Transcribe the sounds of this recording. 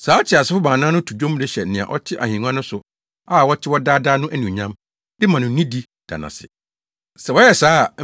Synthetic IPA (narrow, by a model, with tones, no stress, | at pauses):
saː˨˦t͡ɕʰɪ˨a˨sɪ˦fʊ˦bãː˨nãː˦nʊ̃˦tʰu˨d͡ʑᶣõ˦m˦dɪ˦ɕɛ˨n̩˨nɪ̃˨ã̰˨ʔɔ̰˦t͡ɕʰɪ˦ʔa̰˨hĩ˨nũ˦ã˦nʊ̃˦sʊ˨ | a˦˨wɔ˦tʰɪ˦wɔ˦daː˦da˦nʊ̃˦ʔæ˦nĩ˨ɲã˦m | dɪ˦mã˨nʊ̃˨˦nĩ˦di˦ | d̥a̰˨nã̰˨sɪ̰˨ | sɛ˨wɔ˦jɛ˨saː˨˦˨